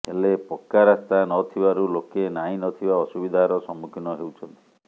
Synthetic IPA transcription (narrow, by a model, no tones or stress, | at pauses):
ɦelepɔkːaɾast̪anɔt̪ʰibaɾulokenaĩnɔt̪ʰibaɔsubid̪ʱaɾɔsɔmukʰinɔɦewt͡ʃʰɔnt̪i̥